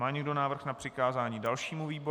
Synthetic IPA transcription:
maːɲɛɡdo̞naːvr̩xnapr̥ɪkaːzaːɲiːdalʃiːmuviːbo

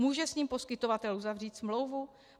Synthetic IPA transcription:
muːʒɛsɲiːmpo̞skɪt̪o̞vat̪ɛluzavr̝iːt̪smlo̞wvu

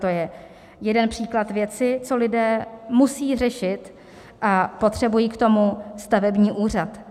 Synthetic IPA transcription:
t̪ojɛ | jɛdɛnpr̝̥iːklat̪vjɛt͡sɪt͡so̞lɪdɛːmusiːrɛʃɪt̪ | ʔapo̞t̪r̝̥ɛbujiːkt̪o̞must̪avɛbɲiːʔuːr̝at̪

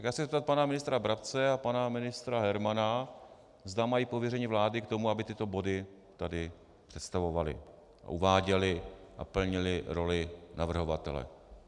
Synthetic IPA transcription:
jkjaːsɪzɛp̚t̪at̪̚panamɪnɪst̪ɾabɾap̚t͡sɛapanamɪnɪst̪ɾaɦɛɾmana | zd̪amajiːpo̞vjɛrɛɲiːvlaːdɪkt̪o̞muabɪt̪ɪt̪o̞bo̞dɪ | t̪adɪ | pr̝̥ɛt̪st̪avo̞valɪ̰ | ʔa̰ʔuvaːɟɛlɪʔa̰pl̩ɲɪlɪɾo̞lɪnavr̩ɦo̞vat̪ɛ̰lɛ̰

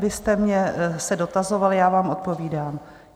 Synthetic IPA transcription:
bɪst̪ɛmɲɛsɛdo̞t̪azo̞valjaːvaːmʔot̪̚po̞viːdaːm

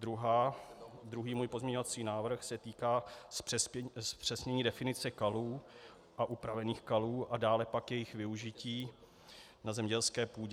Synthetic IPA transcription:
dɾuɦaːd̪ɾuɦiːmuːjpo̞zmɲɛɲo̞vat͡siːnaːvr̩xsɛt̪iːkaː | spr̥ɛsɲɛɲiːdɛfɪnɪt͡sɛkaluː | ʔaʔupɾavɛniːxkaluːʔadaːlɛpakjɛjɪxvɪuʒɪciː | nazɛmɲɛlskɛːpuːɟɛ

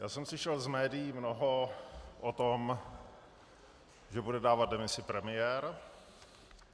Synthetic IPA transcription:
jaːsɛmsɪʃɛlzmɛːdɪjimnoɦoʔot̪om | ʒɛbudɛdaːvat̪̚dɛmɪsɪpɾɛmɪjɛɾ

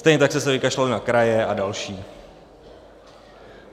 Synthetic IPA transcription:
st̪ɛjɲɛt̪aksɛsɛvɪkaʃlalɪnakɾajɛʔadalʃiː

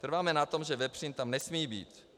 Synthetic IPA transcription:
t̪r̩vaːmɛnat̪o̞mʒɛvɛpr̝̥iːnt̪amnɛsmiːbḭːt̪

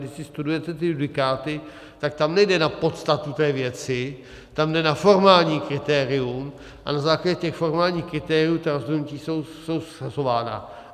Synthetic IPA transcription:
dɪʃsɪst̪udujɛt̪ɛt̪ɪjudɪkaːt̪ɪ | t̪ak̚t̪amnɛjdɛnapo̞t̪st̪at̪ut̪ɛːvjɛt͡sɪ | t̪amdɛnafo̞ɾmaːlɲiːkɾɪt̪ɛːɾɪum | ʔa̰nazaːklaɟɛcɛxfo̞ɾmaːlɲiːxkɾɪt̪ɛːɾɪuːt̪aɾozɦodnuciːso̞wso̞wssazo̞vaːna̰

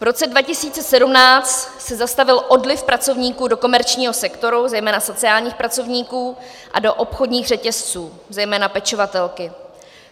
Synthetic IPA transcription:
vɾo̞t͡sɛdvacɪsiːt͡sɛsɛdumnaːt͡st̪ | sɛzast̪avɪlʔo̞dlɪfpɾat͡so̞vɲiːkuːdo̞ko̞mɛɾt͡ʃɲiːɦo̞sɛkt̪o̞ɾuzɛjmɛːnaso̞t͡sɪaːlɲiːxpɾat͡so̞vɲiːkuː | ʔa̰do̞ʔopxo̞dɲiːɣrɛcɛst͡suː | zɛjmɛːnapɛt͡ʃovat̪ɛlkɪ

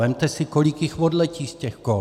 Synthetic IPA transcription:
ɛmt̪ɛsɪkolɪkjixvodlɛciːscɛxko

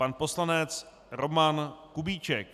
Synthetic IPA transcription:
panpo̞slanɛt͡s | ɾo̞mankubiːt͡ʃɛk̚

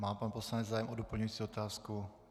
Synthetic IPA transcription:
maːmpanposlanɛd͡zzaːjɛmʔodopl̩ɲujit͡siːot̪aːsku

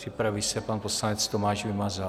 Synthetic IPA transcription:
r̥ɪpɾavisɛpanposlanɛt͡st̪omaːʃvɪmazɛ

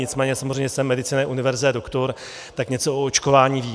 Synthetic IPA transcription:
ɪt͡smɛːɲɛsamozr̝ɛjmɲɛsɛmːɛdɪt͡siːnɛʔunɪvɛɾzɪt̪ɛdokt̪oɾ | t̪akɲɛt͡soʔoot͡ʃko̞vaːɲiːviː

